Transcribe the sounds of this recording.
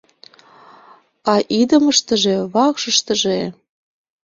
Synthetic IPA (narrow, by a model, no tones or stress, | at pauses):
ɑʔid̪əməʃt̪əʒeβɑkʃəʃt̪əʒe